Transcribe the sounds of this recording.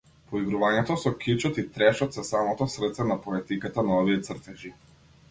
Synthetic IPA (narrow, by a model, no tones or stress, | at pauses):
pɔiɡɾuvaɲɛt̪ɔsɔkʰit͡ʃɔt̪it̪ɾɛʃɔt̪sɛsamɔt̪ɔsɾrt̪sɛnapɔɛt̪ikat̪anaɔviɛt̪srt̪ɛʒi